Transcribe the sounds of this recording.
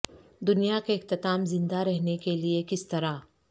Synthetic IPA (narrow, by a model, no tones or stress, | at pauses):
d̪ʊnijakeɪxt̪ɪt̪aːmzɪ̃nd̪aɾɛɦnekeliekɪst̪ɐɾa